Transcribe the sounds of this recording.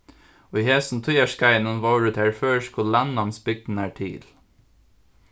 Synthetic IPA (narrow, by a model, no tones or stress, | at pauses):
oːiːheːsn̩t̪ʰʊjɑʃkɑɪnʊnʋɑːɹʉːt̪ʰæːɹføːʃkʰʊlænɑnsbʏɡ̚d̪n̩æːʈʰḭːl